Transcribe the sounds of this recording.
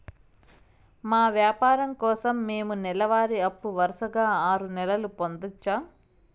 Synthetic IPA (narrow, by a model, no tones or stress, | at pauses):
maːʋjaːpaːɾɐmkɔːsɐmːeːmunɛlɐʋaːɾiɐpːuʋɐɾɐʃɐɡaːaːɾunɛlɐlupond̪ut͡ʃːaː